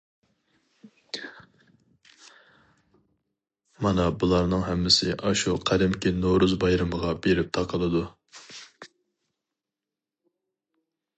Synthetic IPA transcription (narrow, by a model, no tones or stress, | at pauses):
mɑnɑbulˠɑɾnɨŋɦɛmːɪsɪʔɑʃuqʰæɾɪmkʲinoɾuzbɑjɾɨməʁɑbeɾɪp̚t̪ʰɑqʰəlˠɨd̪u